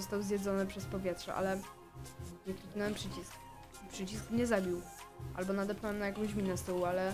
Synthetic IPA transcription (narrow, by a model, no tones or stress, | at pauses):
ɔst̪awzʲjɛd̪zɔnɘpʂɛspɔvʲjɛt̪ʂɛ̰ʔa̰lɛ | jɛk̪ipnɛwɛmpʂɘt͡ɕisk | pʂɘt͡ɕiskɲɛzabʲiw | ʔa̰lbɔnad̪ɛpnawɛmnajakɔ̃w̃ɕmʲinɛst̪ɔwalɛ